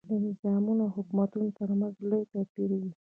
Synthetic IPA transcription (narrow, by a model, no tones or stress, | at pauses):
d̪ənɪzɑmunahʊkmat̪unot̪əɾmanzlojt̪apiɾwi